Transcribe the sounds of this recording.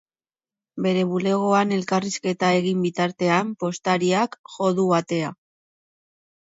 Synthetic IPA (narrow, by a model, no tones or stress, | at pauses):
be̞ɾe̞βule̞ɣ̞o̞ane̞lkariske̞t̪ae̞ɣ̞imbit̪aɾt̪e̞ampo̞st̪aɾiakʝo̞ðuβat̪e̞a